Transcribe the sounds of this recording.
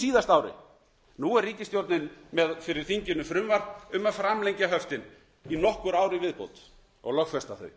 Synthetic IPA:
siːðast̪aːwɾɪ̰ | nuɛrriːcɪst̪jowɾt̪nɪnmɛðfɪɾɪ̥θiɲcɪnːʏfɾʏmvaɾʏmafɾamlɛjɲcaɦœft̪ɪn | inɔhkʏɾaːwɾɪvɪðpo̰ːwt̪ | ɔ̰ɣlœxfɛst̪aθœ̰ɥ

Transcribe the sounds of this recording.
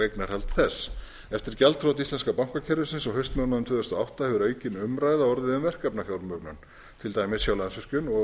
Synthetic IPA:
ejknaɾ̥hɛlt̪θɛsː | ɛft̪ɪɾcɛlt̪θʰɾowt̪ist̪lɛnskapawŋ̥kacʰɛɾvʏsɪnsɔɣɦœɥst̪mœnaðʏmt̪ʰʏːðʏst̪aawht̪ahɛvʏɾœːɥcɪnʏmɾaːjðaɔɾðɪðʏmvɛr̥kɛpnafjawɾmœknʏn | t̪ʰɪlt̪aːjmɪssjawlaðnsvɪr̥cʏnɔ

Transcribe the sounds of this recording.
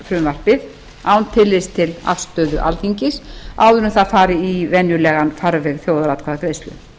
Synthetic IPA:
fɾʏmvar̥pɪð | aːwnt̪ʰɪlːɪst̪ʰɪla̰fst̪œːðʏʔa̰lθiɲcɪsawðʏɾnʏmθaðfaːɾɪivɛnjʏlɛːɣanfaɾvɛɣθjoːwðaɾat̪kʰvaðakɾeːjst̪lʏ̰

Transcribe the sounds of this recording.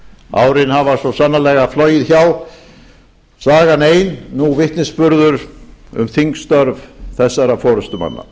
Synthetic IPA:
a̰ːwɾɪnhavasɔsanːalɛɣaflœːjɪðçaw | saːɣaneːjnːuvɪht̪nɪspʏɾðʏɾʏ̰mθiŋkst̪œɾvθɛsːaɾafɔːɾʏst̪ʏma̰nːa̰

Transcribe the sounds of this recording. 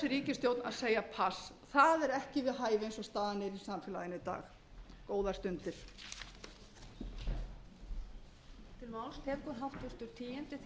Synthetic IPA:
ɪɾiːcɪst̪jowt̪na̰ðseːjapʰas | θaðɛɾɛhcɪvɪðɦaːjvejnsɔst̪aːðnɪɾisamfjɪlajɪnɪt̪a̰ːx | koːwðḁst̪ʏnt̪ɪɾ̥ | t̪ʰɪlmawlst̪ʰɛːkʏɾɦaft̪vʏst̪ʏɾ̥t̪ʰiːjɪnt̪ɪθ

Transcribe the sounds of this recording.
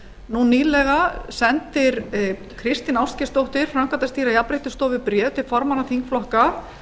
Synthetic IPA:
nuniːlɛɣasɛnt̪ɪɾ | kʰɾɪst̪ɪnawscɪst̪owht̪ɪɾ̥fɾamŋkant̪ast̪iːɾaiapɾejht̪ʏst̪ɔːvɪpɾjɛːt̪ɪlfɔɾmanaθiŋkflɔhka

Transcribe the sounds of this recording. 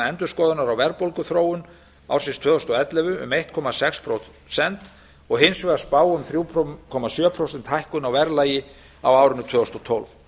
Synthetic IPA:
ɛnt̪ʏɾskɔːðʏnaɾawvɛɾpolkʏθɾoːwʏn | a̰wɾ̥sɪnst̪vœːðɔst̪ɔɣɛt̪lɛvʏʏ̰mejht̪̚kʰɔːmasɛkspʰɾowt̪ | sɛnt̪ | ɔɣɦɪnsvɛðaspaːwʏmθɾjuːpʰkʰɔːmasjœːpʰɾowsɛnt̪hajhkʏnawvɛɾlaːjɪ | awaːwɾʏnʏt̪ʰvœːðɔst̪ɔt̪ʰɔlv

